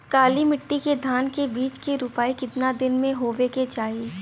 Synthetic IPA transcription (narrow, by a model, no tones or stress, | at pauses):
kaːlimɪʈːiked̪ʱaːnkebiːt͡ʃkiɾʊpaːikɪt̪nad̪ɪnmẽɦoːʋeket͡ʃaːie